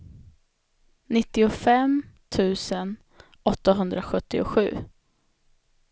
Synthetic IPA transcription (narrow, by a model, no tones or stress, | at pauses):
nɪt̪ːɪʊfɛmt̪ʰʉ̟ːsən | ɔt̪ːaɦɵnd̪ɾaɧɵt̪ːɪʊ̰ɧʉ̟ː